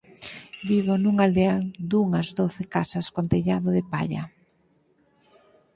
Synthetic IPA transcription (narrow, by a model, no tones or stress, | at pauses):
biβonuŋald̪eald̪uŋazdoθɪkasɐskont̪eʎaðoðɪpa̰ʎa̰